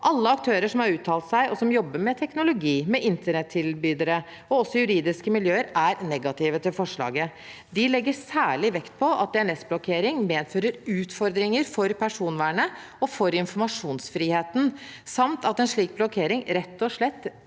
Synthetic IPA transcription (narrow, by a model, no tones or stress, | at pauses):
ʔɑlːəɑk̚t̪ʰøːɾəʂɔmhɑɾʉːt̪ʰːɑːlt̪sæɪʔɔsɔmjɔbːəmɛt̪ʰɛknʊlʊɡiːmɛʔɪnt̪əɳɛt̪ʰːɪlbyːd̪əɾə | ɔɔsːɔjʉɾiːd̪ɪskəmɪljøːəɾæɾnɛɡɑt̪ʰiːʋət̪ɪlfɔʂɭɑ̰ːɡə | d̪ɪlɛɡːəsæːɭɪʋɛkt̪̚pʰɔʔɑ̰t̪̚d̪ɛæɳɛsblɔkʰeːɾɪŋmeːd̪føːɾəɾʉːt̪fɔɾd̪ɾɪŋəɾfɔɾpʰæʂuːnʋæːɳə | ɔfɔɾɪnfɔɾmɑʂuːnsfɾiːheːt̪n̩ | sɑmt̪ɑt̪ɛnʂɭiːk̚blɔkʰeːɾɪŋɾɛt̪ːɔʂɭɛt̪ː